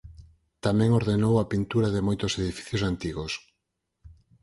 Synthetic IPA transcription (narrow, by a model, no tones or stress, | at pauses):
t̪amɛ̃ŋoɾðenowɐpint̪uɾɐðɪmojt̪ʊseðifi̥θjʊsant̪iɣos